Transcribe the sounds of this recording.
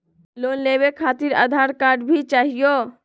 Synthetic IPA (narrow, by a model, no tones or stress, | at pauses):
lonlebekʰat̪iɾa̰d̪ʱaɾkaɾɖbʱit͡ʃaɦijo